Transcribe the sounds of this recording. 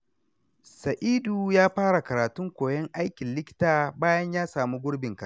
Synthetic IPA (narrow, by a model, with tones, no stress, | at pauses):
sɐ˨ʔiː˦du˨jaː˦ɸaː˦ɽa˨kɐ˨ɾaː˨tʊ˦ŋkʷoː˨jɛ˦ŋʔa˦jkʲɪ˨nlɪ˦kʲɪ̥˦taː˨baː˦jɐ˦ɲjaː˦saː˨mu˦ɡʷʊ˦ɽbɪ˨ŋkɐ˦˨˦